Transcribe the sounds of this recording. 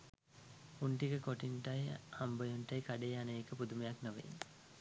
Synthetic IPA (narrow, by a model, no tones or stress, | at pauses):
uɳʈikəkoʈinʈajhambəjunʈajkaɖejanəːkəpud̪umejaknoʋḛn